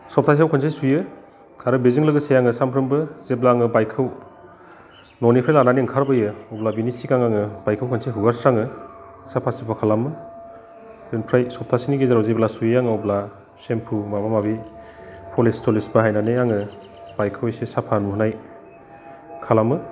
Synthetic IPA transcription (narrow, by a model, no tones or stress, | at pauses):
sɔp̚tʰas̬iawkʰɯns̬ʰejsujɯ | kʰaɾɯbeziŋlɯɡɯsejaŋɯsampʰɾɯmbɯzeblaŋɯbajkʰɯw | nɔnipʰɾajlananiŋkʰaɾbɯjɯɔblabinisikaŋaŋɯbajkʰɯwkʰɯnseɦuɡaɾsɾaŋɯ | sapʰasipʰakʰalamɯ | d̥ɯnpʰɾajsɔp̚tʰasiniɡezaɾɔwzeblasujjaŋɯɔbla | sempʰumamamabi | pʰɔlestɔlisbɯɦajnanejaŋɯ | b̥ajkʰɯwejsesapʰanuhnaj | kʰalamɯ